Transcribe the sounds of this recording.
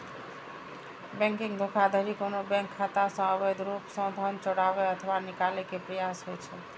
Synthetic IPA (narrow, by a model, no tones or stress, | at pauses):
bɛ̃ŋkiŋɡd̪ʱokʰad̪ʱəɾikonobɛ̃ŋkʰːat̪asə̃əβed̪ɾupsə̃d̪ʱənt͡ʃɔɽabeət̪ʰʋanikalekepɾəjasɦojt͡ʃʰɛ